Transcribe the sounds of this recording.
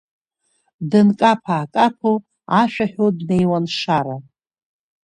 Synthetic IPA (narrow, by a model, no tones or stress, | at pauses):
dɨnkʼapʰaːkʼapʰu | aʃᶣaħᶣodne̞jwanʂaɾa